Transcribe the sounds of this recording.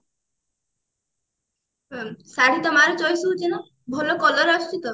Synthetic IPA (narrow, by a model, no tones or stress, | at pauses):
saɽ̤it̪ɔmaɾɔt͡ʃɔjsut͡ʃinɔ | bʱɔlokɔlɔɾɔsʈit̪ɔ